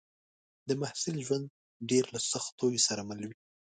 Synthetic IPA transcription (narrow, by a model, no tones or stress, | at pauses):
d̪əmahsɪlʒwand̪̚ | ɖeɾlasaxt̪ːojesaɾamalwi